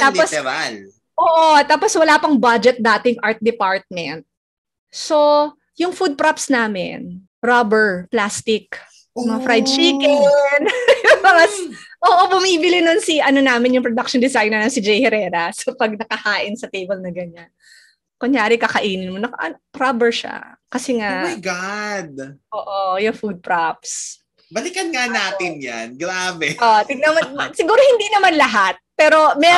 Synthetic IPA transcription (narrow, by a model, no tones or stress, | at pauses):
t̪aːpos | ʔoːʔot̪aːposwɐlaːpɐŋbad͡ʒɛt̪̚d̪aːt̪ɪŋʔaɹt̪̚d̪ɪpaɹt̪̚mɛnt̪̚ | so | jʊŋfud̪̚pɾapsnaːmɪ̰n | ɾobɛɹplaːst̪ɪk | mɐŋɐfɾajd̪̚t͡ʃiːkɪŋonjʊbɐɐsʔoːʔobʊmiːbɪlɪnonsiʔɐnonaːmɪnjʊŋpɾod̪ak̚ʃɔnd̪ɪsajnɐnɐsɪd͡ʒɛjhɛɾɛːɾɐsɐpɐɡ̚nɐkɐhaːʔɪnsɐt̪ejbɐlnɐɡɐɲan | kʊɲjaːɾɪkɐkɐʔiːnɪnmonɐkʔɐ̰nkɾabɛɹʃa̰kɐsɛŋaʔʔmajjɡad̪̚ʔoːʔojʊŋfud̪̚pɾap̚s | bɐlɪkɐnŋanaːt̪ɪnja̰nɡɾaːbɛʔot̪ɪɡ̚nɐmɐnsɪɡuːɾohɪnd̪inɐmanlɐɦat̪̚pɛːɾo̞mɛ